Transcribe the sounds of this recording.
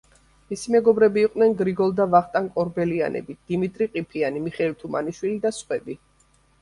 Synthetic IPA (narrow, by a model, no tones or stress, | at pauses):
misimɛɡɔbɾɛbiːqʼnɛnɡɾiɡɔlˠd̪avaχt̪ʼaŋkʼɔɾbɛlia̰nʔɛ̰bid̪̥imit̪ʼɾiqʼipʰianimiχɛlt̪ʰuma̰niʃwilid̪asχʼwɛbi